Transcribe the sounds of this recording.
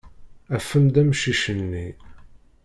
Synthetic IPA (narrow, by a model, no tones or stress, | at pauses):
æfəmd̪æmʃiʃənːi